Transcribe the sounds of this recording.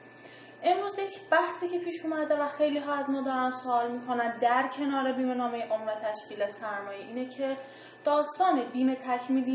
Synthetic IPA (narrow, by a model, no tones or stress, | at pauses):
ʔe̞mɾuːzjecʰb̥æhsiːcʰe̞pʰiːʃomæd̪evæxe̞jliːɦɒːæzmɒːd̪ɒːɾænsoʔɒːlmiːkʰo̞nænd̪æɾcʰe̞nɒːɾe̞biːme̞nɒːme̞jeʔomvæt̪ʰæʃciːlesæɾmɒːjeʔiːnecʰe̞ | d̪̥ɒːst̪ɒːne̞biːme̞t̪ʰæcʰmiːli